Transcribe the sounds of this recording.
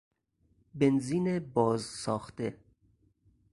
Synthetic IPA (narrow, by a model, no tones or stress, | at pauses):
benziːnebɒːzsɒːxt̪e